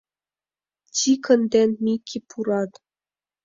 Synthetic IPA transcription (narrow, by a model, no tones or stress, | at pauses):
t͡ɕikɤ̆nd̪enmikʰʲːipʰuɾɑt̪